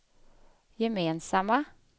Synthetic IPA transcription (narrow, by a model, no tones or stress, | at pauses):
jɛmeːnsamːa